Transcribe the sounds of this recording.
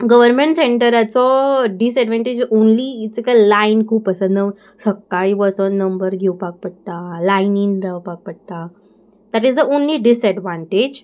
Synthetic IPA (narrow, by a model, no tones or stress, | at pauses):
ɡəʋəɾmẽɳʈsẽɳʈəɾat͡sɔɖisɛɖʋãɳʈed͡ʑõnliːt͡səkalainkʰuːpəsanə | səkːaiʋət͡sɔnnːəmbəɾɡʱewpak̚pəɽ̚t̪alajninɾawpak̚pəɽ̚t̪a | d̪aʈizd̪əʔõnliɖisɛɖʋãɳʈed͡ʑ